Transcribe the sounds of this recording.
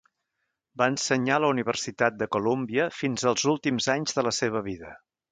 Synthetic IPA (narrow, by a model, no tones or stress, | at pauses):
baənsəɲaləuniβ̞ərsit̪at̪̚d̪əkulombiəfinzəlˠzulˠt̪imzaɲzðələseβ̞əβiðə